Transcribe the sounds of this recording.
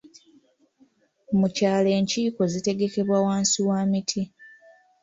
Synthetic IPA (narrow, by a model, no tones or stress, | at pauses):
mucaːle̞ːɲciːko̞zite̞ɡe̞ke̞βwawaːnsiwaːmitʰi